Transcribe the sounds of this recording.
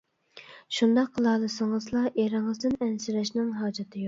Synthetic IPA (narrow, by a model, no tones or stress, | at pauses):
ʃund̪ɑqʰːəlˠɑːlˠɨsɨŋɨzlˠɑʔeɾɪŋɨzd̪ɪnɛnsɪɾɛʃnɪŋɦɑːd͡ʒɑt̪ʰɨjo